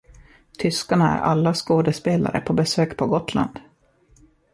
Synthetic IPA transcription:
t̪ʰʏskaɳaæ̰ɾʔa̰lːaskoːd̪ɛspeːla̰ɾə̰pʰɔbɛsøːkpʰɔɡɔt̪la̰nd̪̥

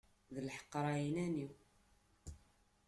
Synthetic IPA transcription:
ðəlħə̥qːɾˤɑinæniw

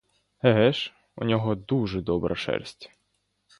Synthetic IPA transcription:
hɛɦɛʃ | ṵnʲɔɦɔd̪uʒɛd̪ɔbɾʔɐ̰ʃɛ̰rsʲtʲ

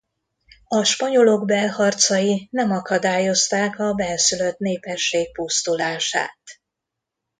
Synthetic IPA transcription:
ɒʃpɒɲo̞lo̞ɡbɛlhɒrt̪sɒjinɛmɒkɒd̪aːjo̞st̪aːkɒbɛlsylø̞t̪neːpɛʃːeːk̚pust̪ulaːʃa̰ːt̪

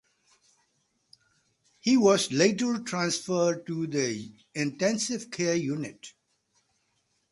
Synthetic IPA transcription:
hiːʋɔzleɪʈəɾʈʰɾãnsfəɖ̚ʈud̪ə | ɪ̃nʈɛ̃nsɪʋkʰeəjuːnɪʈ

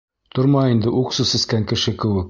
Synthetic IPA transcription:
t̪ŏɾmɑind̪ɘʔuqsɤsɘ̆skæŋkɘ̆ʃɘkɘ̆wɘk̚

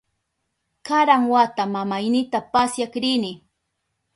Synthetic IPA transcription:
kaɾaŋwat̪amamajnɪt̪apasjakɾɪnɪ

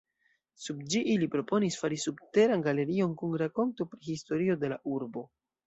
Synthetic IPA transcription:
sub̚d͡ʒiʔilipɾo̞po̞nisfaɾisubte̞ɾanɡale̞ɾio̞nkunɾako̞nto̞pɾihisto̞ɾio̞de̞laʔuɾbo̞

